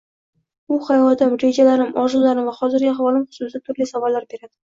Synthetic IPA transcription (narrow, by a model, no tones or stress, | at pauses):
ʊχajvɒd̪ɪmɾe̞d͡ʒalaɾɪmɒʒɪlːaɾɪmvaχɒzɪɾɡʲaɦavɒlˠɪmχʊ̥sʊsɪd̪at̪ʰʊɾlisavɒlːaɾbe̞ɾad̪̥ɪ